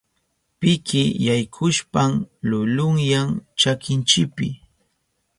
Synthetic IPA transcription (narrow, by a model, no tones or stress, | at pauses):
pɪkɪjajkʰʊʃpamlʊlʊŋjaŋt͡ʃakɪnt͡ʃɪpɪ